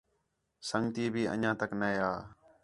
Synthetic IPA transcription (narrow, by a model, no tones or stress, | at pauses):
səŋɡt̪iːbʱiːʔə̰ɲãːt̪əknəjaː